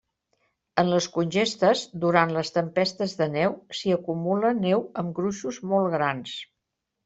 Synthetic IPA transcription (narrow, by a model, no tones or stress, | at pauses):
ənləskunʲʒest̪əzd̪uɾant̪ləst̪əmpɛst̪əzðənɛwsiəkumulənɛwəmɡɾuʃuzmɔlˠɣɾans